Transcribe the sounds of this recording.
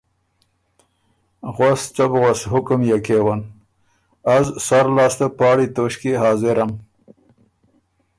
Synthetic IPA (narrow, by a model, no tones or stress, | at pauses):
ɣast͡ʃabɣosɦʊkʊmjakewan | azsaɾlɑːst̪apɑːɽit̪oːɕkeɦɑːzɪɾam